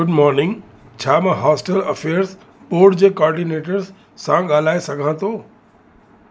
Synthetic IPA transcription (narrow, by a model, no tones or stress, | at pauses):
ɡʊɖmɔːɾnɪ̃ŋɡ | t͡ɕʰaːmɐ̃ɦɔːsʈəlɐfʰeːəɾs | ɓoːɾɖd͡ʑeːkɔːɾɖineːʈəɾsː | ãɠaːl̤aːesɐɡʱãt̪ʰoː